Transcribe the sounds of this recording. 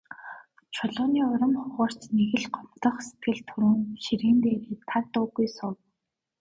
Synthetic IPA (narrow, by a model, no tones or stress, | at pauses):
t͡ɕʰɔɮʊːniːʊɾɞ̆mχʊʁəːr̥t͡ɕneɣɘ̆ɮɢɔm̥t̪ə̆χst̪ʰɡɘ̆ɮt̪ʰuɾɘ̆ŋʃiɾiːnt̪eːɾiːt̪ʰart̪ʊːɣujsʊw